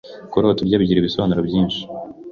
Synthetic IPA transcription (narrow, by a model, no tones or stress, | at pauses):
koɾoatuɾɟaːbɟiːɾiβisoβanuɾobjiːnʃi̥